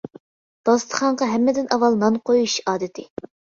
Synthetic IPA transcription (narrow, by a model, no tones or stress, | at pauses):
b̪̥ɑst̪ʰə̥χɑɴʁɑɦɛmːɪd̪ɪnʔɑwɑlˠnɑnqojuʃɑːd̪ɨt̪ʰɪ